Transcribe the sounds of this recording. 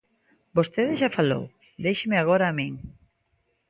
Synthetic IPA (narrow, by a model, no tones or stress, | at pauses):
bost̪eðɪʃafalo̰w | d̪ejʃɪmɪaɣ̞oɾaːmiŋ